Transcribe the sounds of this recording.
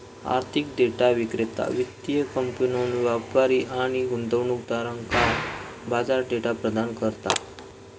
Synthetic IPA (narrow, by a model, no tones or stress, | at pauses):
a̰ɾt̪ʰikɖeʈaʋikɾet̪a̰ʋit̪ijəkəmpunonʋapaɾiʔaɽ̃iɡund̪əʋɳuk̚d̪aɾə̃ŋkaɾbad͡zaɾɖeʈapɾəd̪ankəɾt̪a̰